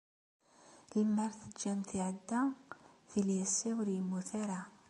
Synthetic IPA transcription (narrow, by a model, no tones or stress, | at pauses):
ləmːəɾˤθəd͡ʒæmt̪iʕəd̪ːæθiljæsːiwəɾjəmːuθaɾa